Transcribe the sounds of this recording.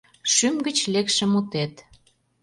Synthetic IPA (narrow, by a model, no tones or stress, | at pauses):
ʃymɡə̆t͡ɕlekʃə̆mut̪et̪